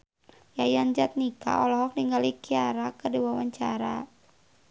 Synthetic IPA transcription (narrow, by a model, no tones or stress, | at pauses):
jajand͡ʒat̪̚nika̰ɔlɔɦɔk̚niŋɡalikiaɾakədiwawaɲt͡ʃaɾa